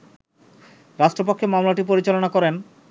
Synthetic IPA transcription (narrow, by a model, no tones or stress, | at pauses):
ɾaʃʈɾopokʰːemamlaʈipoɾit͡ɕalonakɔɾen